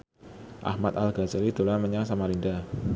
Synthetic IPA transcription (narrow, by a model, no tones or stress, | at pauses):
ʔa̰hmat̪alɡasəɾid̪̥o̤laməɲaŋsamaɾinda